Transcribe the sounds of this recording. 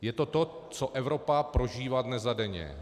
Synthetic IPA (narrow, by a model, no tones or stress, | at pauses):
jɛt̪o̞t̪o̞ | t͡soʔɛvɾo̞papɾoʒiːvad̪nɛzadɛɲɛ̰